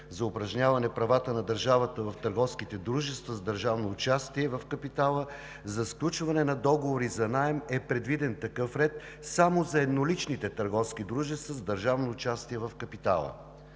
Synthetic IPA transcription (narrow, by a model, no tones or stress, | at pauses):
zɐʊpɾɐʒnʲavɐnɛpɾɐvat̪ənɐd̪əɾʒavət̪əvɐft̪əɾɡɔfskit̪ɛd̪ɾuʒɛst̪vɐzd̪əɾʒavnoːt͡ʃast̪iɛvɐfkɐpit̪alˠə | zɐsklʲut͡ʃvɐnɛnɐd̪ɔɡovoɾizɐnaɛmɛpɾɛd̪vid̪ɛnt̪ɐkɤfɾɛt̪̚ | samozɐɛd̪nolit͡ʃnit̪ɛt̪əɾɡɔfsk̟id̪ɾuʒɛst̪vɐzd̪əɾʒavnoːt͡ʃast̪iɛvɐfkɐpit̪a̰lˠə̰